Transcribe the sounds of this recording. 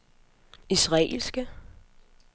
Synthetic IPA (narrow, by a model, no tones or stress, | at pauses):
isʁɑḛlsɡ̥ə